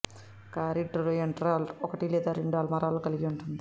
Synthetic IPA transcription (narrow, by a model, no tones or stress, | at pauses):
kaɾiɖɾujɐɳʈɾaːlɔkɐʈileːd̪aɾiɳɖaːlmɐɾaːlkɐliɡiɔɳʈund̪i